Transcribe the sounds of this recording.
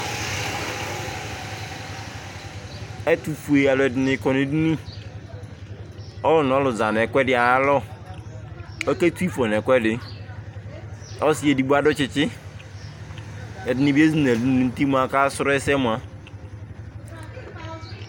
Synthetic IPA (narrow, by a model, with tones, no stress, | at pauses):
ɛ˦tu˨fu˨e˨a˨lɛ˨dɪ˨nɪ˨˦kɔ˨ni˨˦di˦ni˦ | ɔ˦lʊ˨n˨ɔ˨˦lʊ˨za˨n˨ɛ˨kʷɛ˦dɪ˨a˨˦lɔ˦ | ɔ˦ke˦tu˦i˦fɔ˨n˨ɛ˨kʷɛ˦dɪ˨ | ɔ˦si˦e˨di˨ɡ͡bu˦a˦dʊ˦t͡ʃɪ˨t͡ʃɪ˦ | ɛ˨dɪ˨ni˨be˦zi˨n˨e˨di˨˦n˨i˨n̩˦ti˦mʷ˦a˦ka˦sʊ˦ɾɛ˦sɛ˦mʷ˨a˦